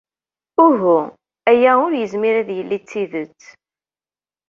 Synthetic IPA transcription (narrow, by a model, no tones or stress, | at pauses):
ʊɦu | æjæʊɾjəzmiɾæðjəlːit͡sːiðət͡sː